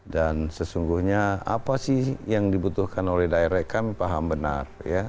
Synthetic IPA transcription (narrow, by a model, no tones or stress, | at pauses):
dansəsuŋɡuhɲaa̰pasɪhjaŋdibut̪uhkanolɛhdaeɾakamipaɦambəna̰rja